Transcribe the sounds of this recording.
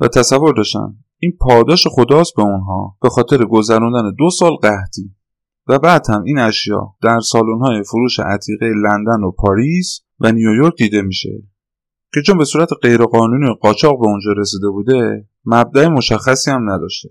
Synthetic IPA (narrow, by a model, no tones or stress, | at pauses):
væ̰t̪ʰæsævːo̞ɾd̪ɒːʃt̪æ̰n | iːnpʰɒːd̪ɒːʃe̞xo̞d̪ɒːs̚be̞unɦɒ̰ːb̥e̞xɒːt̪ʰe̞ɾeɡo̞zæɾund̪æne̞d̪o̞sɒːlɢæht̪ʰiː | væbæːd̪hæmiːnæʃjɒ̰ːd̪̥æɾsɒːlunhɒːje̞foɾuːʃḛʔæt̪ʰiːɣejelænd̪ænopʰɒːɾis | vænijojoɾkc̚d̪iːd̪e̞miːʃe̞̰ | cʰe̞t͡ʃʰonbe̞suːɾæt̪ʰeɢe̞jɾeɣɒːnuːniːjeɢɒːt͡ʃʰɒːɣbe̞ond͡ʒɒːɾe̞siːd̪e̞buːd̪e̞ | mæb̚d̪æemo̞ʃæxːæsiːhæmnæd̪ɒːʃt̪e